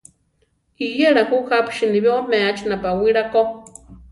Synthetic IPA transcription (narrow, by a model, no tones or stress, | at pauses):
ijeɺahuhapʰʃiniβjomɛ̃at͡ʃʰinapawiɾako